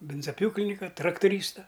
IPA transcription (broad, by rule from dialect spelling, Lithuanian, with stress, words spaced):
ˈbʲɪnzɐˈpʲjuːklʲɪnʲɪkɐ trɐktʊˈrʲiːstɐ